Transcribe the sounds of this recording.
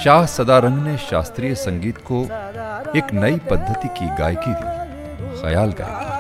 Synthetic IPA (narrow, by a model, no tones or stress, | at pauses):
ʃaːɦsɐd̪aɾɐ̃ŋɡneʃa̰ːst̪ɾiːjəsɐ̃ŋɡiːt̪ko | eːknɐipɐd̪ʱːət̪ikiɡa̰ːjkid̪ḭː | xɐ̰jaːlɡɐ̰ja̰